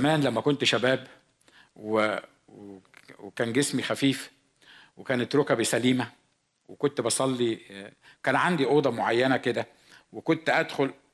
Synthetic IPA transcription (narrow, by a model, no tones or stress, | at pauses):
mæːnlæmːækont̪ʃæbæːb | we | wekæːnɡesmixæfiːf | wekæːnet̪ɾokæbesæliːmæ | wekont̪bɑsˤɑlːikæːnʕand̪iʔoːd̪ˤɑmoʕajːænæked̪æ | wekont̪ʔæd̪xol